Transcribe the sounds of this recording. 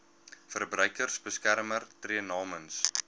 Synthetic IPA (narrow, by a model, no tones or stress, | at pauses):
fərbrœjkərsbəskærmərtriənɑːməns